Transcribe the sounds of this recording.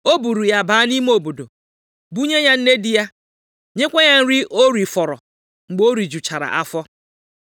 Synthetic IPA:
o˦bu˨ɾu˨ja˦baː˦ni˦m˦o˨bo˨do˨ | bu˦ɲe˦ɲa˦n̩˦ne˦dɪ˦ja˦ | ɲe˦kʷe˦ɲa˦n̩˦ɾɪ˦ʔo˦ɾi˨fɔ˨ɾɔ̰˨ | ŋ͡m̩˨ɡ͡bo˦ɾi˨d͡ʒu˨t͡ʃa˨ɾa̰˨ʔa˦fɔ˦

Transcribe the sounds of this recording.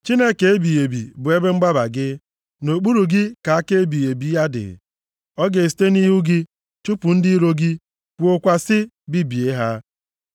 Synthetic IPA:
t͡ʃi˦ne˦ke˨e˦bi˨je˨bi˨bʊ˨e˦be˦ŋ͡m̩˦ɡ͡ba˦ba̰˨ɡɪ˦ | no˨k͡pu˦ɾu˨ɡɪ˦ka˨a˦ke˦e˦bi˨je˨bi˨˦ja˦dɪ̰˨ | ɔ˦ɡe˨s̬i̥˨te˦ni˦ɦu˦ɡɪ˦ | t͡ʃu˦pʊ˨n̩˦dɪ˦i˦ɾo˦ɡɪ˦ | kʷo˦kʷa˨sɪ˦ | bi˦bi˨e˦ɦa˦

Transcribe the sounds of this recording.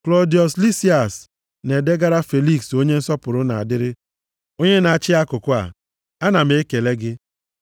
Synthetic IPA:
klɔ˨˦di˨ɔ˨sli˦si˦a˨s | ne˨de˦ɡa˦ɾa˦fe˨li˦kso˦ɲe˦n̩˦sɔ˦pʊ˨ɾʊ˦na̰˨a˨dɪ˦ɾɪ˦ | o˦ɲe˦na˨t͡ʃɪ˦a˦kʊ˨kʊ˦a̰˨ | a˦na˨me˦ke˨le˦ɡɪ˦

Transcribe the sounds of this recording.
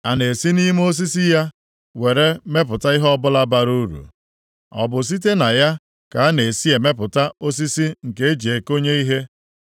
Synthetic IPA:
a˨ne˨si˦ni˦m˦o˦s̬i˦si˦ja˦ | we˨ɾe˦me˦p̬ʊ˨ta˦i˦ɦɔ˦bʊ˦la˦ba˨ɾu˦ɾṵ˨ | ɔ̰˨bʊ˨s̬i˦t̬e˦na˨ja˦ | ka˨a˦ne˨si˦e˨me˦pʊ˨ta˦o˦s̬i˦si˦ŋ̩˨ke˦e˦d͡ʒi˨e˨ko˦ɲe˦i˦ɦe˦

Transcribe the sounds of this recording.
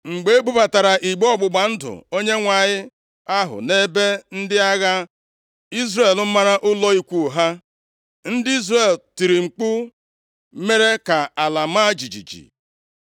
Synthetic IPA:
ŋ͡m̩˨ɡ͡be˦bu˦pa˨ta˨ɾa˨ʔi˨ɡ͡bɔ˦ɡ͡bʊ˨ɡ͡ba˨n̩˦dʊ̰˨o˦ɲe˦ŋʷa˨ɲɪ˦ | a˦ɦʊ̰˨ne˦be˦n̩˦dɪ˦a˦ɣa˦ | i˦zre˨l̩˦ma˦ɾa˦ʔʊ˦lɔ˦i˦kʷu˦˨ɦa˦ | n̩˦dɪ˦i˦zre˨lti˨ɾi˨ŋ͡m̩˨k͡pʊ˦ | me˦ɾe˦ka˨a˨la˨ma˦d͡ʒi˨d͡ʒḭ˨d͡ʒḭ˨

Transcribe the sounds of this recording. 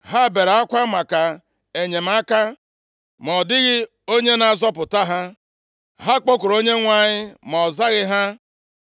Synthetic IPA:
ɦa˦˨be˨ɾa˨a˦kʷa˦ma˨ka˨ | e˨ɲe˨m̩˦a˦ka˦ | mɔ˨dɪ˦ɣɪ˦ | o˦ɲe˦na˨zɔ˦pʊ˨ta˦ɦa˦ | ɦa˦k͡po˦kʊ˨ɾo˦ɲe˦ŋʷa˦˨ɲɪ˦mɔ˨za˦ɣɪ˦ɦa˦

